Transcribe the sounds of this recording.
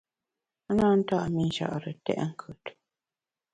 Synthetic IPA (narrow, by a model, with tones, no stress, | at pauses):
na˦˨n̩˦ta˦ʔmi˦n̩˦ʃa̰˨ʔɾə˨tɛ̰˦ʔŋ̩˦kʰʉ˨t